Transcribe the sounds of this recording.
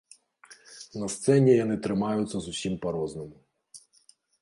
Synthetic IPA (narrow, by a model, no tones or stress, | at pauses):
nɐst̪sɛnʲijɔnɪt̪ɾɪmɑjʊsʲɐzʊsʲimpɐɾɔznɔmʊ